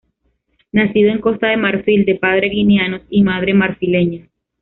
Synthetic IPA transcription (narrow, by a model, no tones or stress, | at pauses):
nasiðoe̞ŋko̞st̪aðe̞maɾfild̪e̞paðɾe̞ɣinjanosimað̞ɾe̞maɾfile̞ɲa